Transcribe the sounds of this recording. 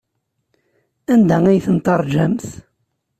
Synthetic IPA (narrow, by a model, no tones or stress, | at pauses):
ænd̪ææjθənt̪ˤɑɾˤd͡ʒæmθ